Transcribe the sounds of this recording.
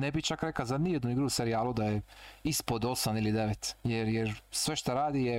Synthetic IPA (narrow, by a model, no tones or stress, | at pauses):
nebit͡ʃakɾekazanijed̪nuiɡɾuse̞ɾijaːlud̪ajeispod̪o̞samilid̪eʋet̪jeɾjeɾsʋe̞ʃt̪aɾaːd̪ije